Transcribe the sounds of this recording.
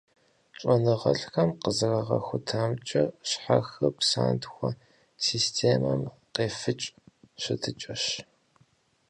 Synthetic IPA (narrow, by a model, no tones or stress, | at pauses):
ɕʼɔnɨʁɐ̰ɬxɐmqəzɨrɐʁɐ̰xʷʊtʰaːmt͡ʃʼɐɕħaxɐpʰsa̰ːntʰxʷɐ | siːstʰeːmɐm | qeːfɨt͡ʃʼɕɪtʰɨt͡ʃʼɐɕ